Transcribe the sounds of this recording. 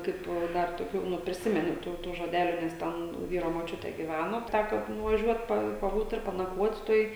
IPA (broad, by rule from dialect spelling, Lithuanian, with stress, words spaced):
ˈkɐɪp ˈdɐr toːˈkʲuː nʊ pʲrʲɪˈsʲɪmʲɛnʊ ˈtuː ˈtuː ʒoːˈdʲæːlʲʊ ˈnʲɛs ˈtʲɛn ˈʋʲiːroː moːˈt͡ʃʲʊtʲeː ɡʲiːˈʋʲænoː ˈtʲækoː nʊʋɐˈʒʲuɔt ˈpɐ pɐˈbuːt ɪr pɐnɐˈkʋoːtʲ ˈtoːj